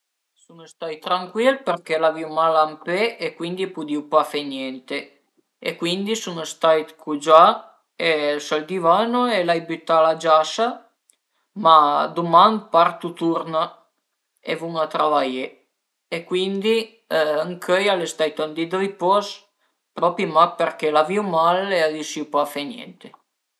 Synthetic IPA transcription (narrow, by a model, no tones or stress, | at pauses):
sunest̪ajt̪ɾaŋkwilpeɾkelaviumalampeekwind̪ipud̪iupafenjɛnt̪e | ḛkwind̪isunest̪ajt̪kʰud͡ʒa | esald̪ivanoelajbyt̪ːalad͡ʒaʃa | mad̪uman̚part̪ut̪uɾna | evuŋat̪ɾavaje | ekwind̪i | ŋkʰøjalest̪ajt̪ɔnd̪id̪ɔjpɔs | pɾɔpimapeɾkelaviwmaleadisiupafenjɛ̰nt̪e